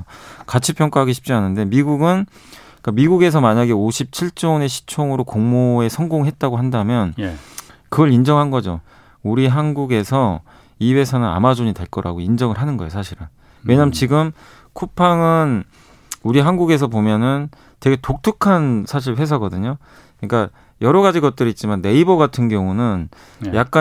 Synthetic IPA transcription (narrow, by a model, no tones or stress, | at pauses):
kat͡ɕʰipʰjʌŋk͈aɦaɡiɕʰi̥p̚t͡ɕ͈ianɯnde̞miɡuɡɯn | k͈amiɡuɡe̞s̬ʰʌmaɲaɡe̞oɕʰip̚t͡ɕʰiɭt͡ɕ͈one̞ɕʰi̥t͡ɕʰoŋɯɾokoŋmoe̞sʰʌŋɡoŋɦe̞t̚t͈aɡoɦandamjʌn | kɯɡʌɭind͡ʑʌŋɦanɡʌd͡ʑo̰ | uɾiɦanɡuɡe̞sʰʌ | iwe̞sʰʌnɯna̰mad͡ʑoɲitaɭk͈ʌɾʔa̰ɡoind͡ʑʌŋɯɭɦanɯnɡʌejosʰaɕʰiɾɯ̰n | we̞ɲamt͡ɕiɡɯm | kʰupʰaŋɯn | uɾiɦanɡuɡe̞s̬ʰʌpomjʌnɯn | te̞ɡe̞tok̚tʰɯkʰansʰaɕ̬ʰiɭɸe̞s̬ʰaɡʌdɯɲo | kɯɲik͈a | jʌɾʌɡad͡ʑiɡʌt̚t͈ɯɾit̚t͡ɕ͈imanːe̞ibʌɡatʰɯnɡjʌŋunɯn | jak̚k͈a